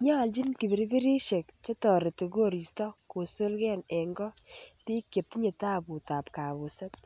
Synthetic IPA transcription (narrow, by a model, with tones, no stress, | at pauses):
ɲa˦˨ld͡ʒi˦nki˨be˨ɾi˦bi˦ɾi˦ʃe˨k̚t͡ʃɔ˦tɔ˨ɾe˨te˨ɡo˦ɾi˨stɔ˦ko˨so˦lɡɛ˦nɛ˨ŋɡɔ˦ti˦kːe˨p̚ti˦ɲe˨ta˦bu˨ta˨pka˨βʊ˨sa˦t̚